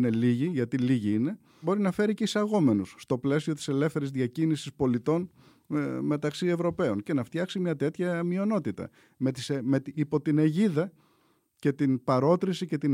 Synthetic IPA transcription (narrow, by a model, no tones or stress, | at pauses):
ne̞liʝiʝɐt̪iliʝiine̞ | bo̞ɾinɐfe̞ɾiceisɐɣo̞me̞nusːt̪o̞ple̞sio̞t̪i̥se̞le̞fθe̞ɾizðʝɐcinisispo̞lit̪o̞n | me̞t̪ɐksie̞vɾo̞pe̞o̞nce̞nɐft̪çɐksimɲɐt̪e̞t̪çɐmio̞no̞t̪it̪ɐ̰ | met̪isemet̪iipo̞t̪ine̞ʝiðɐ | ce̞t̪inpɐɾo̞t̪ɾisice̞t̪i